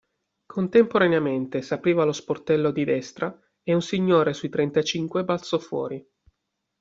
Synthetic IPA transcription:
kʰont̪empoɾaneament̪esapɾiːvalosport̪ɛlːod̪id̪ɛst̪ɾa | eunsiɲːoːɾesujt̪ɾent̪at͡ʃiŋkwebalt̪sɔfwɔ̰ːɾi

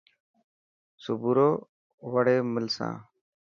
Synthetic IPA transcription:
sʊbuɾoː | ʋəɽeːmɪlsã̰ː

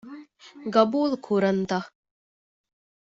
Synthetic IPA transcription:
ɡɐbuːlˠkʰuɾɐnt̪a

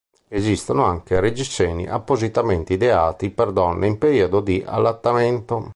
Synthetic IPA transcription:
ezist̪onoaŋkered͡ʒist͡ʃːɛːnḭʔa̰pːozit̪ament̪id̪ɛaːt̪ipɛɾd̪ɔnːʔeimpeɾiɔd̪od̪iʔa̰lːat̪ːamɛnt̪o

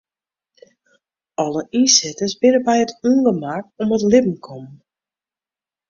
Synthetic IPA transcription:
ɔləʔisɪtəsbɪnəbɛjətuːŋɡəmakɔmətlɪpm̩kʰɔm

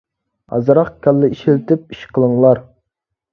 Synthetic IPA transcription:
ɑ̰zɨɾɑχkʲɑlːɪiʃilt̪ɪp̚iʃqʰəlˠəŋlˠɑɾ

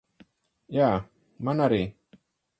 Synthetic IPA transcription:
ja | manaɾi

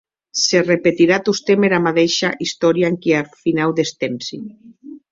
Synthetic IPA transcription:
serepet̪iɾat̪ust̪emeɾamat̪eʃaʔist̪ɔɾjaŋkiafinawd̪est̪emsi

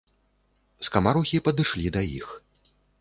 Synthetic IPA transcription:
skamaɾuxʲipɐd̪ɨʂlʲid̪ɐjḭx

